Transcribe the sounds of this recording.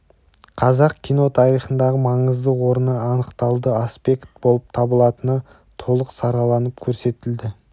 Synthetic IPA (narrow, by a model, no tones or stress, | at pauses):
qʰɑzɑqkʲʰijno̞t̪ʰɑɾijχənd̪ɑʁəmɑɴəzd̪əwo̞ɾənəɑnəqt̪ɑlˠd̪əaspe̞kt̪̚bo̞lˠəp̚t̪ʰɑbəlˠɑt̪ənə | t̪ʰo̞lˠəqsɑɾɑlˠɑnəp̚kʲʰɵɾse̞t̪ɪld̪ɪ